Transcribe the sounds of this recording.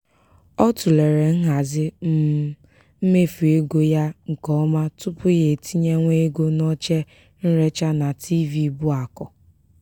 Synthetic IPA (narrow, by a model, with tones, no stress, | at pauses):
ɔ˦tu˨le˨ɾe˨ŋ̩˦ɦa˨zɪ˦m̩˦ | m̩˦me˦fu˨e˦ɡo˦ja˦ŋ̩˨kɔ˦ma˦tʊ˦pʊ˦je˨tʰi˦ɲe˦ŋʷe˦ɡo˦nɔ˦t͡ʃe˦ | n̩˦ɾe˦t͡ʃa˦na˨tʰi˦vi˦˨bʊ˦a˨kɔ˨